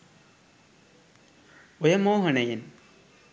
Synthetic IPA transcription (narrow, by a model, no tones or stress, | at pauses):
ɔjɐmoːɦɐnɐjin